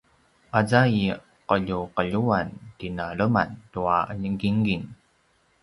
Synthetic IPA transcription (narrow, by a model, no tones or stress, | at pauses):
ʔazai | qəʎuqəʎuantinaɭəma̰ntuaəʎəŋɡiŋɡin